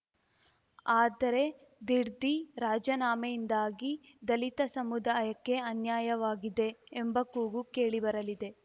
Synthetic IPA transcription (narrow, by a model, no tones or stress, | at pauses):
aːd̪ɐɾe̞ | d̪iɾd̪iɾaːd͡ʒɐnaːmɐjind̪aːɡi | d̪ɐlit̪ɐsɐmud̪aːjɐkːe̞ɐnjaːjɐʋaːɡid̪e̞ːmbɐkuːɡukeːɭibɐɾɐlid̪e̞